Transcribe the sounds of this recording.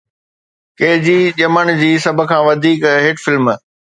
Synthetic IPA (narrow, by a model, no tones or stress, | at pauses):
keɦd͡ʑiːʄɐməɽ̃d͡ʑiːsɐb̆ʱkʰãːʋɐd̪ʱiːkɦɪʈfɪlm